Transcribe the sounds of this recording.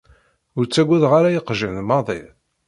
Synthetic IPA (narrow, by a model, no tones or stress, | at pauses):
ʊɾt͡sːæɡʷːæðʁaɾajəqʒənmɑðˤḭ